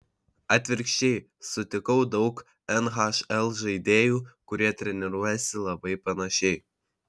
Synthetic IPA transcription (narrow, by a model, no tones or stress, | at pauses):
ɐt̪ʲʋʲɪɾʲkʃʲt͡ʃʲɛɪ | sʊt̪ʲɪkɐʊd̪ɒʊk | ɛnɦɑʃɛlˠʒɐɪd̪ʲeːjuːkʊɾʲiɛt̪ʲɾʲɛnʲɛɾuɔjɛsʲɪlˠɐbɐɪpɐnɐʃʲɛɪ